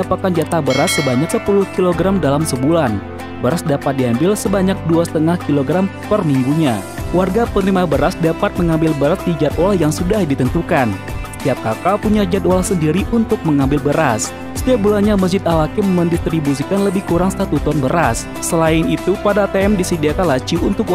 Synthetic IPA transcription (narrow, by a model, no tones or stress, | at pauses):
dapakand͡ʒat̪abəɾasːəbaɲaksəpulʊhkiloɡɾamdalamsəbulan | bəɾasdapat̪̚diɦambɪlsəbaɲak̚duasə̥t̪əŋahkiloɡɾampərmiŋɡuɲawarɡapənɾimabəɾasdapat̪̚məŋambɪlbəɾas̚did͡ʒat̪olahjaŋsudahdit̪ənt̪ukan | sə̥t̪iap̚kakalpuɲad͡ʒat̪̚olahsəndiɾiʔunt̪ʊk̚məŋambɪlbəɾas | sə̥t̪iap̚bulanɲaməs̬d͡ʒɪt̪̚awakɪmːəndist̪ɾibusikanləbɪhkuɾaŋst̪at̪ut̪ɔnbəɾasːəlaɪnit̪upadaːt̪eɛmdisidakalat͡ʃiunt̪ʊk